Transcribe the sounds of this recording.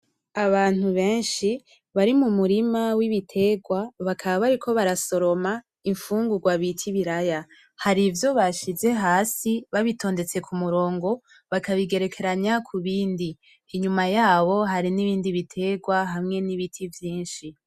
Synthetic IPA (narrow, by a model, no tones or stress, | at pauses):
aβaːn̥huβe̞ːnʃi | βaɾimumuɾimawiβitʰe̞ɡwaβakʰaβaβaɾikʰo̞βaɾaso̞ɾo̞ma | iɱfuːŋɡuɡwaβitʰiβiɾaja | haɾivjo̞βaʃize̞ɦaːsiβaβitʰo̞ːnde̞t͡se̞kʰumuɾo̞ːŋɡo̞ | βakaβiɡe̞ɾe̞kʰe̞ɾaɲakʰuβiːndiː | ɲumajaːβo̞ɦaɾiniβiːndiβitʰe̞ɡwaɦamŋe̞niβitʰivjiːnʃi